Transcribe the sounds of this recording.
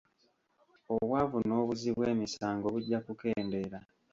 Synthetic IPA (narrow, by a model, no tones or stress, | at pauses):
oβwavuno̞ːβuziβwe̞ːmisaːŋɡo̞βuɟːakuke̞ːnde̞ɾa